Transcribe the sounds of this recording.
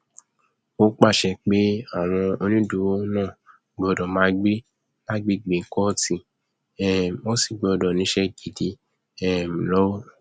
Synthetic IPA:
o˦k͡pa˦˨ʃɛ˧˨k͡pe˦a˦˨w̃ɔ̃˧o˧nĩ˦du˨wo˦nãː˦˨ | ɡ͡bɔ˧˨dɔ˨mã˨˦ɡ͡bi˦ | la˦ɡ͡be˦ɡ͡be˨˦kɔ˦tĩ˧ | ɛ˦˨o˦si˦˨ɡ͡bɔ˨˧˨dɔ˨nĩ˨˦ʃɛ˦ɡi˨di˧˦ | ɛ˦m˨lɔ˦wo˦˨

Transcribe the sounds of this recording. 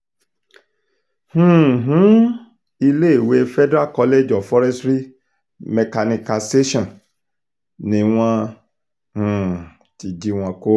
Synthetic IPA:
hũ˨ɦũ˨˦ | i˧le˦e˦˨we˨˧fɛ˦dɾa˦˨kɔ˧le˦˨d͡ʒɔ˨fɔ˦ɾɛ˦stɾi˦ | mɛ˨ka˧nĩ˧ka˧se˦ʃɔ̃˨ | nĩ˨˦w̃ɔ̃˧ | hũ˨ | ti˨d͡ʒi˧w̃ɔ̃˧ko˦

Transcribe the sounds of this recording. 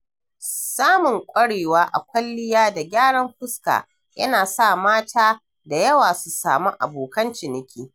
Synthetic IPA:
saː˦mʊ˨ŋkʷʼɐ˦ɽeː˨waː˦ʔa̰˨kʷɐ˦lːɪ˦jaː˦da˨ɡʲaː˦ɽɐ˦mɸʊ˦ska̰ː˨ | jɐ̰˦naː˨sa˦˨maː˦tʰaː˦ | da˨jɐ˦waː˨su˨sa̰ː˨mu˦ʔa̰˨boː˨kɐ˦nt͡ʃɪ˨nɪ˨kʲʰiː˦

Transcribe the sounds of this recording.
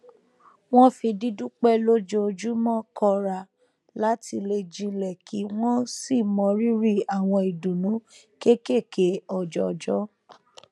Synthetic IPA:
w̃ɔ̃˦fĩ˧di˦dũ˦k͡pɛ˦lo˦d͡ʒo˧d͡ʒu˦mɔ̃˦kʰɔ˧ɾa˨ | la˨˦tʰi˧le˧d͡ʒĩ˧lɛ˨kʰi˨˦w̃ɔ̃˦si˦˨mɔ̃˧˦ɾi˦ɾi˦a˨w̃ɔ̃˧i˨dũ˨nũ˨˦ | ke˦ke˦˨ke˨˦ɔ˨d͡ʒɔ˧˨d͡ʒɔ˦

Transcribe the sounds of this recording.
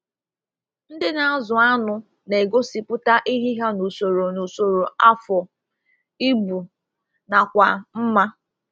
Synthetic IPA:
n̩˦dɪ˦na˦a˦zʊ˨a˦nʊ˨ | ne˨ɡo˦si˨pʊ˦ta˦ʔi˦ɦi˦ɦa˦no˨so˨ɾo˨no˨so˨ɾo˨a˦fɔ˨ | i˦bu˨ | na˨kʷa˨m̩˦ma˦

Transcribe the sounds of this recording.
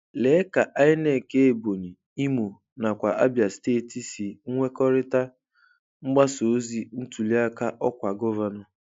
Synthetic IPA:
le˨˦ka˨ʔa˦ɲɪ˦ne˦˨ke˦e˨bo˨ni˨ | i˦mu˨ | na˨kʷa˨ʔa˦bja˨steː˦˨ti˨si˨ŋ̩˦ŋʷe˦kɔ˦ɾɪ˦ta˦ | ŋ͡m̩˦ɡ͡ba˦so˨˦zi˦n̩˦tu˨li˦a˦ka˦ʔɔ˦kʷa˨ɡɔ˦va˨nɔ˨

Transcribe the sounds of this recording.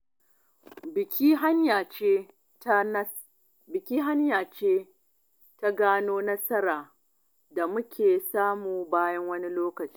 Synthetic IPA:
bɪ˨kʲi˦ɦa˦ɲja˨t͡ʃe˦ | bɪ˨kʲiː˦ɦa˦ɲjaː˨t͡ʃeː˦ | ta˦ɡaː˦noː˦nɐ˦sɐ˦ɾaː˨ | da˨mʊ˦kʲʰeː˨saː˦muː˨baː˦jɐ˦ŋwɐ˦ni˦loː˦kɐ˨t͡ʃi̥ː˦

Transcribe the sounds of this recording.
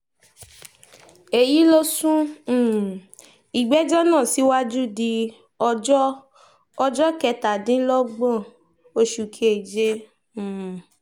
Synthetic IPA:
e˨ji˨˦lo˦sũ˦˨ | i˨ɡ͡bɛ˨˦d͡ʒɔ˦nã˦˨si˨˦wa˦d͡ʒu˦di˧ | ɔ˦ | ɔ˧d͡ʒɔ˦kɛ˧ta˨dĩ˨˦lɔ˦ɡ͡bɔ̃˦˨ | o˧ʃu˨kʰe˨e˨d͡ʒẽ˦˨

